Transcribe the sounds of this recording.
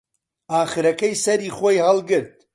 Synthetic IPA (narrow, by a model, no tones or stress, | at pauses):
aːχɨɾɐkɐjsɐɾiːχwojhɐlˠɡɨɾd̪̚